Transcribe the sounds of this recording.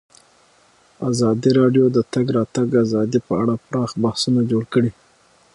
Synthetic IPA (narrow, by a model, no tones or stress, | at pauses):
azɑd̪iɾɑɖjod̪ət̪aɡɾɑt̪aɡazɑd̪ipəaɽapɾɑxbahsunad͡ʒoɽkəɽi